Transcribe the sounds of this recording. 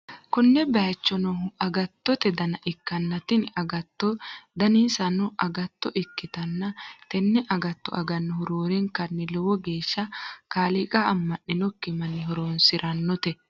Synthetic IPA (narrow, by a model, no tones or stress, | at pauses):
kʊnːɛbɐjɐt͡ʃːɔnɔʊɐɡɐt̪ːɔt̪ɛd̪ɐnɐʔɪkːɐnːɐt̪ɪnɐɡɐt̪ːɔd̪ɐniːsɐnɔʔɐɡɐt̪ːɔʔɪkːɪt̪ɐnːɐt̪ɛnːɛʔɐɡɐt̪ːɔ̰ʔɐɡɐnːhʊɾoːɾɛŋkɐnːɪlɔwɔɡe̞ːʃːɐkaːlɪkʼɐɐmːɐʔːɪnɔkːɪmɐnːɪɦɔɾoːnsɪɾʔɐnːɔt̪ɛ